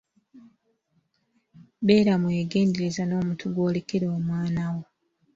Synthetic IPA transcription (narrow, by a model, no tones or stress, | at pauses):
be̞ːɾamwe̞ːɡe̞ːndeɾezano̞ːmutʰuɡwo̞ːlekeɾoːmwaːnawo